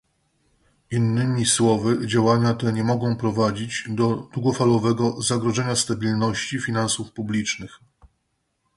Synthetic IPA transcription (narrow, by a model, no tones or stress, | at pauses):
inːɘmʲiswɔvɘd͡ʑawaɲat̪ɛɲɛmɔɡɔ̃w̃pɾɔvad͡ʑid͡ʑd̪ɔd̪wuɡɔfalɔvɛɡɔzaɡɾɔʐɛɲast̪abʲilnɔɕt͡ɕifʲinansufpublʲit͡ʂnɘx